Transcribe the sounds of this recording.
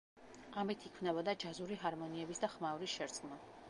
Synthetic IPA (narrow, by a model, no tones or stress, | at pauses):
amit̪ʰikʰvnɛbɔd̪ad͡ʒazuɾiɦaɾmɔniɛbisd̪aχmauɾisʃɛɾt̪sʼqʼma